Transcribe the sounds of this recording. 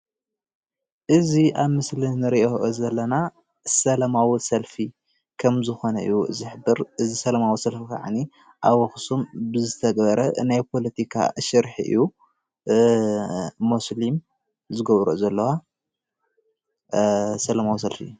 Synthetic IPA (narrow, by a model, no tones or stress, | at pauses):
ʔɨziʔaβmɨslinɨɾiʔoʔzɐlːɐna | sɐlamawisɐlfi | kʰɐmzɨxo̞nɐʔɨ̰jːuɨ̰ziħɨbɨɾʔɨzisɐlɐmawisɐlfika̰ʕa̰ni | ʔaβɐxsumbɨzɨt̪ʰɐɡbɐɾɐʔɨnajpʰo̞lɐt̪ʰikʰa̰ʃɨɾħiʔɨ̰jːu | muslim | zɨɡɐβɾozɐlːɐwa | sɐlɐmawis̬ɐlfḭ